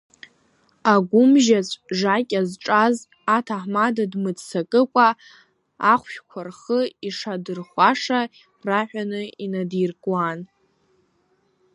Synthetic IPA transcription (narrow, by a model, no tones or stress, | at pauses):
aɡʷʊmʒat͡sʷʼʐakʲʼazʈ͡ʂʼaz | atʰaħmadadmɨt͡ssʰakʼɨkʷʼaː | χʷʃkʷʰarχəiʂadɨrχʷaʂa | raħʷᶣanɨinadijrkʼwan